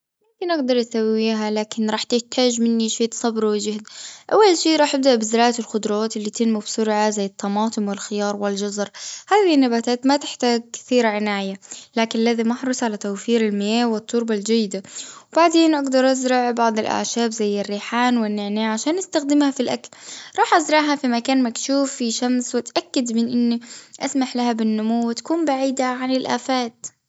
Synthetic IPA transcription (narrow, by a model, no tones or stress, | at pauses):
mʊmkɪnʔaɡd̪ɑɾˤʔasawːiːɦalaːkɪnɾˤɑːħt̪ɪht̪ʰaːd͡ʒmɪnːiʃeːt̪sˤɑbɾwɪd͡ʒahd̪ʔawːalʃiːʔɾˤɑːħʔab̚d̪aʔbɪzɪɾˤɑːʕat̪ɪlxʊd̪ɾˤɑaːt̪ɪlːiːt̪ɪnmabsʊɾʕazajːɑt̪ʰˤːɑmɑːt̪ˤɨmwɪlxɪjɑːɾˤwɪld͡ʒɑzɾˤhaːðihnːabaːt̪aːt̪mat̪ɪħt̪aːɡ̚kɪ̥θiːɾaʕɪnaːʕɪjalaːkɪnalːaðimaħɾˤʊsˤʕalat̪awfiːɾɪlmeːʔwɪt̪ˤːʊɾbald͡ʒajːɪd̪awbaʕd̪eːnʔaɡd̪ɑɾˤʔazɾɑʕbɑʕd̪ˤɪlʔa̰ʕʃaːbzajːɪrːiːħaːnwɪnːɪʕnaːʕaʃaːnʔast̪axd̪ɪmhafilʔa̰klɾˤɑːħʔazɾˤɑʕɦafimakaːnmakʃuːfːiʃamswɪt̪ʔakːad̪mɪnʔɪnːiʔasmaħlahabɪnːʊmuwːɪt̪ḁkuːmbaʕiːd̪aʕanɪlʔa̰ːfaːt̪